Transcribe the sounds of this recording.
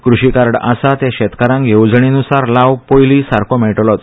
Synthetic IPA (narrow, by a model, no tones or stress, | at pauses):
kɾuɕikaɾɽa̰sat̪ẽɕɛt̪kaɾãŋkjewd͡zɳ̃inusaɾlaʋpojlisaɾkʰomɛɭʈlɔt̪